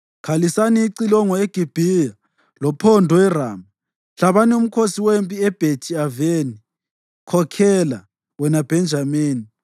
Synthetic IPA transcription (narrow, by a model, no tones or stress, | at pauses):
kʰalisaniːǀilɔŋɔeɡ̥ʱib̥ʱija | lɔpʰɔndʱɔɛraːma | ɬaβanɛum̩kʰosiwempʼiɛb̥ʱetʰiaveni | kʰɔkʰɛla | wɛnab̥ʱɛnd͡ʒʱameːni